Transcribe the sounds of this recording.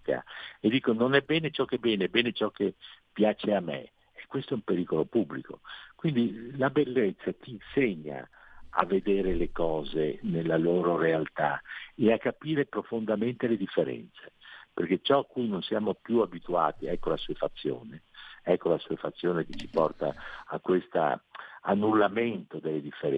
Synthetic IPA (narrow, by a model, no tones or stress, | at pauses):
ka̰ed̪ːiːkononɛbːɛːnet͡ʃɔkːebɛːneɛbːɛːnet͡ʃɔkːepːjaːt͡ʃeamːḛː | kːwest̪oɛumpeɾiːkolopubːliko̰kwind̪ilabelːet̪sːat̪inseɲːa̰a̰vːed̪eːɾelekɔːzenelːaloːɾoɾealt̪a̰eakːapiːɾepɾofond̪ament̪eled̪ifːeɾɛ̰nt̪seperket͡ʃɔkːujnonsjaːmopjuabit̪ua̰ːt̪iɛkːolasuefat̪sːjo̰ːneɛkːolasuːefat̪sːjoːneket͡ʃːi̥pɔrt̪a̰akːwest̪a̰a̰nːulːament̪od̪elːed̪ifːeɾ